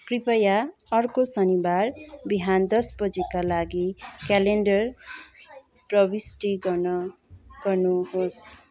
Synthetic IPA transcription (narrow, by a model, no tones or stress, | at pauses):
kripʌjaʌrkosʌnibarbiɦand̪ʌsbʌd͡zikalaɡikaleɳɖʌr | prʌbisʈiɡʌnʌ | ɡ̥ʌrnuhos